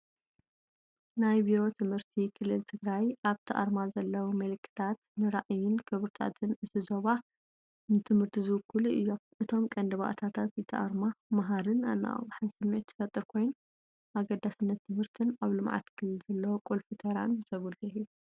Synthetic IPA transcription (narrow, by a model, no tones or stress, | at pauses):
najbiɾo̞t̪ʰɨmhɨɾt̪ʰikʰɨlːɨlt̪ʰɨɡɾajʔaβt̪ʰɐʔa̰ɾmazɐlːɐwumɐlɨkʰːɨ̥t̪ʰat̪nɨɾaʔjɪnkʰɨβɾɨt̪ʰa̰t̪ʰɨnɨsɨzo̞βa | nɨt̪ʰɨmhɨɾt̪ʰizɨwkʰːuluʔɨjːomʔɨt̪ʰo̞mkʼɐnd̪ɐβa̰ʔt̪ʰat̪ʰat̪jɨt̪ʰɐʔaɾmamaɦaɾɨna̰nːa̰ʔɣħansɨmːiʕt̪zʰɨ̥fɐt̪ʼːɨɾkʰo̞jn | ʔaɡɐd̪ːasɨnːɐt̪ʰːɨmhɨɾt̪ʰɨnaβlɨmʕa̰t̪kʰɨlːɨlzɐlːɐwokʼulfɨt̪ʰɐɾa̰nzɐβulii